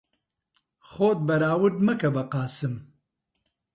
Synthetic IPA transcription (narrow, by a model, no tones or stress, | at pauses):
xoːt̪̚bɐɾaːwɨd̪mɐkɐbɐqaːsɨm